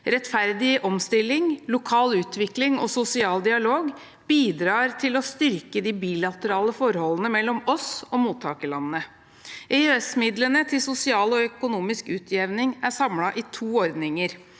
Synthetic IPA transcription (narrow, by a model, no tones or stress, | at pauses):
ɾɛt̪fæɾd̪ɪʔɔmst̪ɪlːɪŋlʊkʰɑːlʉːt̪ʋɪklɪŋɔsʊsɪɑːld̪ɪɑloːɡ | b̥iːd̪ɾɑːɾt̪ʰɪlɔst̪ʏɾkəd̪ɪbiːlɑt̪əɾɑːləfɔɾhɔlənəmɛlːɔmɔsɔmuːt̪ʰːɑːkəlɑnnə | ʔɛøɛsmɪd̪lənət̪ʰɪsʊsɪɑːlɔœkʊnuːmɪskʉːt̪ʰjɛʋnɪŋæsɑmlɑʔɪt̪ʰuːɔɾd̪nɪŋəɾ